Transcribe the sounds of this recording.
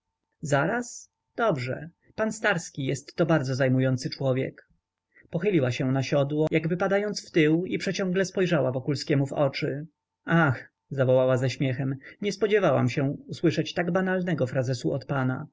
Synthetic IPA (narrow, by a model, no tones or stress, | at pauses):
zaɾas | d̪̥ɔbʐɛ̰ | panst̪aɾskʲijɛst̪ːɔbaɾd̪zɔzajmujɔnt̪sɘt͡ʂwɔvʲjɛ̰k | pɔxɘlʲiwaɕɛ̃naɕɔd̪wɔjaɡvɘpad̪ajɔnt̪sft̪ɘwipʂɛt͡ɕɔ̃ŋɡlɛspɔjʐawavɔkulskʲɛmuvɔ̰t͡ʂɘ | ax | zavɔwawazaɕmʲjɛxɛmɲɛspɔd͡ʑɛvawa̰mɕɛuswɘʂɛt͡ɕt̪aɡbanalnɛɡɔfɾazɛsuɔt̪pana̰